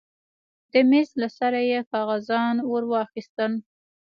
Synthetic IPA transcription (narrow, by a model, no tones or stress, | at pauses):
d̪əmezlasaɾajekɑɣazɑnwoɾwɑxist̪əl